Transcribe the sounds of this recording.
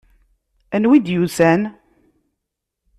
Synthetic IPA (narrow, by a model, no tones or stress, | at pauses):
ænwid̪juθæn